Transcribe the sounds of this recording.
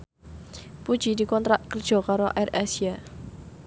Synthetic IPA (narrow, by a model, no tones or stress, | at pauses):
pud̥ʒ̥id̪ikɔnt̪ɾaʔkərd̥ʒ̥ɔ̤kaɾoʔɛrasia